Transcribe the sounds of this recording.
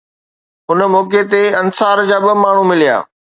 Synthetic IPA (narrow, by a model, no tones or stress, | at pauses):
ɦʊnəmoːket̪̬eɐnsaːɾd͡ʑaːbɪmaːɳ̤ũmɪlija̰ː